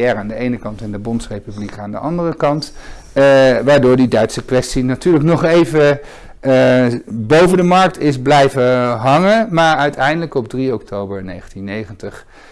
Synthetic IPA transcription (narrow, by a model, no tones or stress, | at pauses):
ɛraːndəejnəkɑntɛndəbɔntsrejpyblikaːndə̰ʔɑndərəkɑnt | ʋaːɹdʊːɹdidœɥtsəkʋɛstinatyːɹləknɔχejvə | bowvəndəmɑɹk̚tɪzblɛjvəɦɑŋənmaːɹœɥtʰɛjndələkɔb̚driɔk̚towbəɹnejχəntinːejχəntəχ